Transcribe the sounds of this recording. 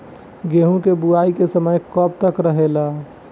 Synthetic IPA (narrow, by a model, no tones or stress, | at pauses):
ɡeːɦũkebuaikesəməjkɔbt̪əkɾəɦela